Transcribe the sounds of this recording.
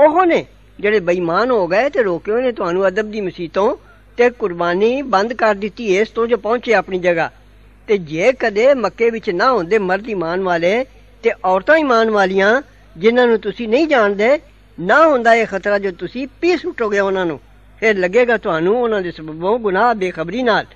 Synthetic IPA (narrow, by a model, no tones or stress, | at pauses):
ʊɦoːneː | d͡ʒeːɽeːbəiːmaːnɦoːɡəeːt̪eːɾoːkeːoːnẽːt̪ʊɦaːnũːəd̪əb̚d̪iːməsiːt̪õː | t̪eːkʊɾbaːniːbənd̪kəɾd̪ɪt̪ːiːɪːst̪õːd͡ʒoːpɔ̃ːt͡ʃeːapniːd͡ʒəɡaː | t̪eːd͡ʒeːkəd̪eːməkːeːʋɪt͡ʃnãːɦõːnd̪eːməɾd̪iːmaːnʋaːleː | t̪eːʔɔːɾt̪ãːiːmaːnʋaːlijãː | d͡ʒɪnãːnũːt̪ʊsĩːnəĩːd͡ʒaːɳd̪eː | naːɦõːnd̪aːeːxʰət̪ɾaːd͡ʒoːt̪ʊsĩːpiːsʊʈʰːoːɡɪjaːʊnãːnṵ̃ː | pʰɪɾləɡeːɡaːt̪ʊɦaːnũːʊnãːd̪eːsəbəbõːɡʊnaːbeːxʰəbɾiːnaːl